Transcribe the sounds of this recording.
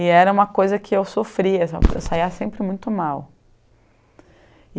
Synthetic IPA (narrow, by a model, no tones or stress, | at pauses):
ɪɛɾɐũmɐkojzɐkʰɪewsofɾiɐsḛwsaiɐsẽmpɾɪmũj̃t̪ʊmaw